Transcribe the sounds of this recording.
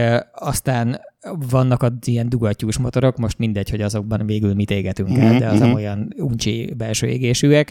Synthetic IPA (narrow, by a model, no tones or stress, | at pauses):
ɒst̪aːnvɒnːɒkɒijɛnd̪uɡɒcːuːʃmo̞t̪oɾo̞kmo̞ʃt̪mind̪ɛcho̞ɟɒzo̞ɡ̚bɒnveːɡylmit̪eːɡɛt̪yŋkɛld̪ɛɒzɒmojɒnunt͡ʃḭbɛlʃø̰ːeɡeːʃyːɛk